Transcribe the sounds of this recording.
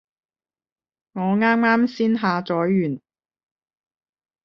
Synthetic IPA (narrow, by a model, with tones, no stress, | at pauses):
ŋɔː˨˧ŋaː˥mŋaː˥msiː˥nɦaː˨˧t͡ʃɔː˨˥jːyː˨˩n